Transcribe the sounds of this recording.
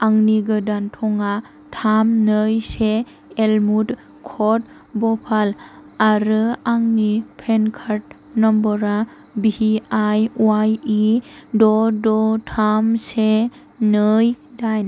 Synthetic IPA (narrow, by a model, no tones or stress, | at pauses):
aŋniɡɯdantʰɔŋa | tʰamnəjseː | lmud | kʰɔt̚ | bɔpʰalaɾɯaŋnipʰenkʰaɾt̚ | nɔmbɔɾa | bihiajuajidɔdɔtʰamse | nɯjdajn